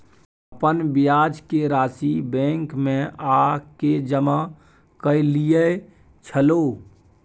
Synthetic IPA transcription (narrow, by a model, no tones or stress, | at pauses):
əpənbijaːd͡ʒkeɾaːsibɛẽŋkmẽaked͡ʒəma | kəilijə | t͡ʃʰəlo